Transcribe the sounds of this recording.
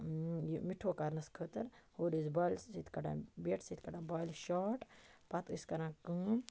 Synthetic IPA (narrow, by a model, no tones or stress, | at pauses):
jimiʈʰoːkaɾnɐskʰəːt̪ɐɾhoːɾizbaːlsit̪ʰʲkɐɖa̰ːbeːʈʰsit̪ʰʲkɐɖãːbaːlʃaːʈpɐt̪ɨskɐɾãːkɨ̃